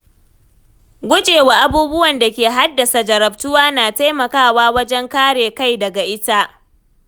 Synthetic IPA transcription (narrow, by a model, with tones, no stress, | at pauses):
ɡʷʊ˦d͡ʒʼeː˨waː˨ʔa˦buː˦bʊ˦wɐ˨nda˨kʲeː˨ɦa˦dːɐ˨sa˨d͡ʒɐ˨ɾɐ˨b̚tʊ˦waː˦naː˨ta˦jmɐ˨kaː˦˨waː˦wɐ˦d͡ʒɛ˦ŋkaː˦ɽeː˨ka˦˨jdɐ˨ɡa˨ʔɪ˦ta˦ʔ